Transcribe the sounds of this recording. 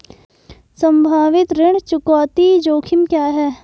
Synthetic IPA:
sə̃mbʱaːʋɪt̪ɾɪɳ̃t͡ʃʊkaːt̪iːd͡ʒoːkʰɪmkjaːɦɛː

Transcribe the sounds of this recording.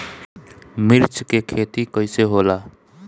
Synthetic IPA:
mɪɾt͡ʃkekʰeːt̪ikəiseɦoːlaː

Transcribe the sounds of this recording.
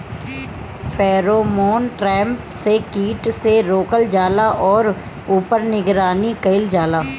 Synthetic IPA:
fʰɛːɾoːmoːnʈɾɛ̃ːmpsekiːʈseɾoːkəld͡ʒaːlaʔɔːɾ | uːpəɾnɪɡɾaːnikɐɪld͡ʒaːlaː

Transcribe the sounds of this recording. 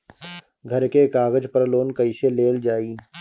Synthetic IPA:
ɡʱɐɾkekaːɡəd͡ʒpəɾloːnkəɪʃeleːld͡ʒaːiː

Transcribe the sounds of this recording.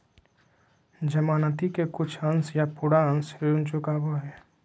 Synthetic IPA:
d͡ʒəmaːnət̪ikekʊt͡ʃʰə̃nsjapuːɽaə̃nseunt͡ʃʊkaːboɦɛː

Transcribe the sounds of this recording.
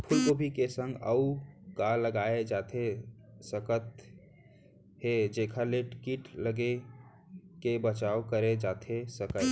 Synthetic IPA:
pʰulkobʱikesə̃ŋɡəukalːəɡaed͡ʒat̪ʰesəkət̪ | ɦed͡ʒekʰəleʈikiʈləɡe | kebət͡ʃaokəɾed͡ʒat̪ʰesəkə

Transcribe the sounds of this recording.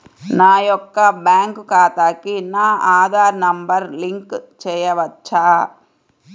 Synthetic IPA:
naːjɔkːɐbjaːŋkukaːt̪aːkinaːʔaːd̪ʱaːɾnɐmbɐɾliŋkt͡ʃɛːjɐʋɐt͡ʃːaː

